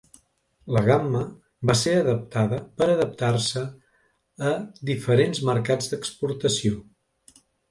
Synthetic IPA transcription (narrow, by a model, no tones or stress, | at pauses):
ləɣamːə | baseəðəp̚t̪aðəpəɾəðəp̚t̪arsəː | d̪ifəɾenzməɾkad͡zd̪əkspuɾt̪əsio